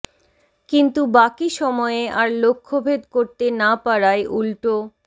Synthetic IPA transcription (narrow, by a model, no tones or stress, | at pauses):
kint̪ubakiʃɔmɔeeaɾlokʰːobʱed̪koɾt̪enapaɾaeʔulʈo